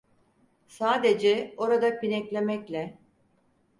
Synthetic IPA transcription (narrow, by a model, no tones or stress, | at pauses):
saːd̪e̞d͡ʒɛo̞ɾad̪apinɛclʲe̞mɛclʲɛ